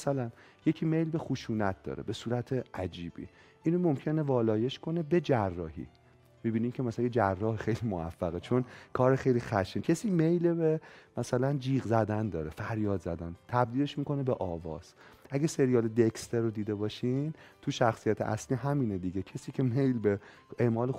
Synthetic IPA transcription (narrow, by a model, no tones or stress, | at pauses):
sælæn | je̞cʰime̞jlbe̞xuʃuːnæt̪̚d̪ɒ̰ːɾḛbe̞suːɾæt̪ʰeʔæd͡ʒiːbḭː | ʔiːnomomcʰe̞ne̞vɒːlɒːje̞ʃkʰo̞ne̞be̞d͡ʒærːɒːɦḭː | mibiːniːmcʰemæslæjed͡ʒærːɒːhexe̞jlimoæ̰fːæɣet͡ʃʰo̞nkʰɒːɾexe̞jlixæʃicʰe̞siːmejlebemæsælænd͡ʒiːɣzæd̪ænd̪ɒːɾefæɾjɒːd̪zæd̪ænt̪ʰæb̚d̪iːle̞ʃmiːko̞nebeʔɒːvɒ̰ːz̥ | ʔæɡæse̞ɾijɒːled̪ekst̪eɾod̪iːd̪e̞bɒːʃint̪ʰuʃæxsijæt̪ʰeʔæ̰sliːɦæmiːned̪iɟecʰesiːcʰe̞mejlbe | e̞ʔmɒːle